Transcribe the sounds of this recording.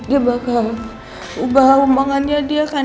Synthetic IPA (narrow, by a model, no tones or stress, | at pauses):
dibaka | ubaumaŋaniadiaka